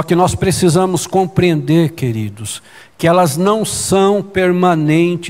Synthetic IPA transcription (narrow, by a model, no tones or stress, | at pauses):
ɔkɪnɔspɾesizɐ̃mʊskõpɾiẽnd̪eɾkeɾid̪ʊs | kɪɛlɐznɐ̃w̃sɐ̃w̃peɾmɐ̃nẽnt͡ʃ